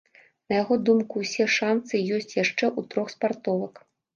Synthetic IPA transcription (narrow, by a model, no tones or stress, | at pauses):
nɐjaɣɔd̪umkuwsʲɛʂansɨjɔsʲt͡sʲjaʂt͡ʂɛʔut̪ɾɔxspart̪ɔvˠɐk